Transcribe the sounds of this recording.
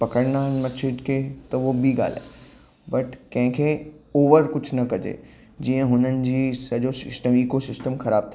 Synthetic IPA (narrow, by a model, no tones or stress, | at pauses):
pɐkəɽnaːɦɪnmɐt͡ʃʰɪɖket̪ɐʋobʱiɡa̰ːl̤a̰ː | bɐʈkɐ̃ɦɪ̃kʰeoːʋəɾkʊt͡ɕʰnɐkɐd͡ʑḛ | d͡ʑiə̃ɦʊnənɪ̆d͡ʑiːsɐʄosɪ̰sʈəmiːkosɪsʈəmxɐɾaːb̚t̪ʰa